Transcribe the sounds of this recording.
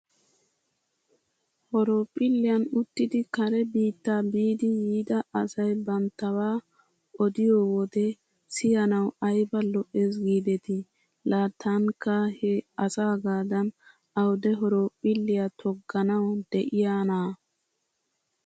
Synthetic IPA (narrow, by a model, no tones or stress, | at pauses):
hɔɾoːpʼːɪlːɪjɐnʊt̪ːɪd̪ɪkɐɾɛbiːt̪ːaːbiːd̪ɪjiːd̪ɐɐsɐjbɐnt̪ːɐwaː | ɔd̪ɪjɔːwɔd̪ɛ | sɪjɐnɐwɐjbɐlɔʔes̬ɡiːd̪ɛt̪ɪ | laːt̪ʰːaŋkːɐhɛɐsaːɡaːd̪ɐn | ɐwd̪ɛɦɔɾoːpʼːɪlːɪjat̪ʰɔɡːɐnɐwd̪ɛʔɪjaːnaː